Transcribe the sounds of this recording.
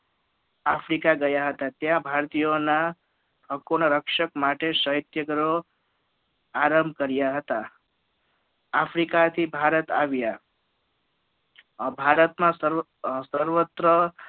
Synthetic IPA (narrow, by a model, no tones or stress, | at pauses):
afʰɾikaɡəjaɦət̪at̪jãbʱaɾt̪ijona | bʱəkoɳ̃əɾəkʃəkmaʈesəɦit̪jəɡɾo | aɾəmbʱkəɾjaɦət̪a | pʰɾikat̪ʰibʱaɾət̪a̰ʋja | bʱaɾət̪mãsəɾ | səɾʋət̪ɾə